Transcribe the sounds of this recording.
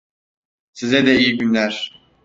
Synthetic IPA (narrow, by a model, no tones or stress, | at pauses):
sizɛd̪ɛijiɟynlʲæɾ̥